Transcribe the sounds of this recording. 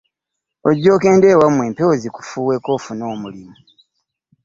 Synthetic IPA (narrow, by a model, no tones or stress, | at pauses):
oɟːo̞ːke̞ːndeːwamweːmpeoziku̥fuːwe̞ko̞ːfuno̞ːmulimu